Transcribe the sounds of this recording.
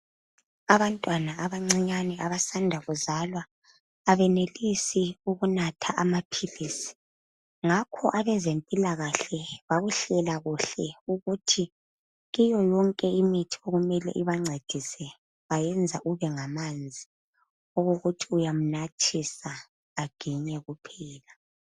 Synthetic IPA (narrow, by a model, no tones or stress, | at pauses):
aβantʼwanaaβaŋ͡ǀiɲanɛʔaβasandʱaɣuzalwaː | βɛnelisiuɣunatʰaʔamapʰiliːsi̥ | ŋakʰɔʔaβɛzempʼilaɣaɬɛβaɣuɬɛlaɣuɬɛuɣutʰi | ɣijɔjɔŋkʼɛimitʰi̥oɣumɛlɛ̰ʔiβaŋ͡ǀʱed̥ʱisɛ | βajɛnd͡zʱaʔuβɛŋamand͡zʱi | oɣuɣutʰiujam̩natʰisaː | ɡ̥ʱiɲɛɣupʰɛːla